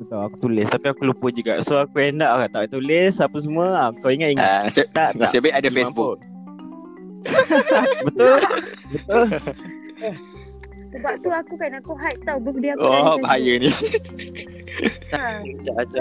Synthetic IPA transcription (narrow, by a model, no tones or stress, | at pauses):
bət̪olaku̥t̪ulɪst̪apiakulupəd͡ʒuɡaʔsoakuɛndaʔkat̪aʔt̪ulɪsapəs̬əmuəakawiŋət̪iŋaŋasət̪aʔŋaaəbaiʔadəfesabu | bət̪ʊlbət̪ol | ə | səbap̚t̪uakukanakuɦaj̚t̪awbək̚diaɔbaɦajəni | t̪aat͡ʃaʔat͡ʃaʔ